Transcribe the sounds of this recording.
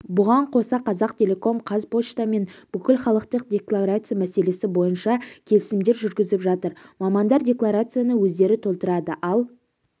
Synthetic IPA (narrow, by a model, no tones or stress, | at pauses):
bʊʁɑɴqʰo̞sɑqʰɑzɑqt̪ʰʲe̞lʲe̞ko̞mqʰɑzpo̞ʃt̪ame̞nb̥ʏkʲɪlχɑlˠəqt̪əq̚dʲe̞klˠaɾat̪sɨjamæse̞le̞sɪbo̞jənʃɑkʲʰe̞lɪsɪmd̪e̞ɾʒʏɾɡʲɪzɪpʒɑt̪əɾmɑmɑnd̪ɑɾdʲe̞klˠaɾat̪sɨjanəwɵzd̪e̞ɾɪt̪ʰo̞lˠt̪əɾɑd̪əʔɑlˠ